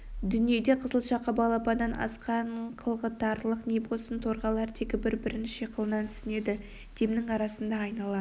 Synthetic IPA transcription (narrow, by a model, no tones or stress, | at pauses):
d̪ʏnije̞d̪e̞qʰəzəlˠʃɑqːɑbɑlˠɑpɑnːɑnɑ̰sqɑɴqʰəlˠʁət̪ɑɾlˠəqnebosənt̪ʰo̞ɾʁɑlˠɑɾt̪ʰekʲɪbɪɾbɪɾɪnʃeqʰəlˠənɑnt̪ʰʏ̥sɪne̞d̪ɪ | d̪̥emnɪŋɑɾɑsənd̪ɑːjnɑlˠɑ